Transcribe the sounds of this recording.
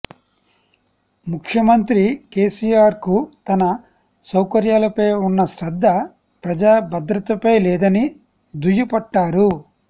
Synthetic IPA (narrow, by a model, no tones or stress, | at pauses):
mukʰjɐmɐnt̪ɾikeːsiːjaːɾkut̪ɐnɐ | sɐwkɐɾjaːlɐpɐjunːɐʃɾɐd̪ʱːɐ | pɾɐd͡ʒaːbɐd̪ɾɐt̪ɐpɐjlɛːd̪ɐni | d̪ujupɐʈːaːɾu